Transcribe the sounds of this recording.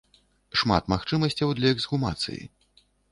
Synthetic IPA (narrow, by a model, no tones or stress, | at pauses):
ʂma̰t̪maxt͡ʂɨmɐsʲt͡sʲɐwd̪lʲɐɛɡzɣuma̰t̪sɨ̰jḭ